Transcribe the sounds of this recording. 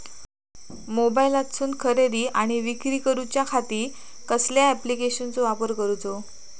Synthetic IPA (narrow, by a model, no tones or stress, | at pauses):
mobailat̪suːnkʰəɾeɾiːʔaɽ̃iʋikɾiːkəɾut͡ɕjakʰat̪iː | kəsljaɛplikeɕənt͡soʋapəɾkəɾut͡so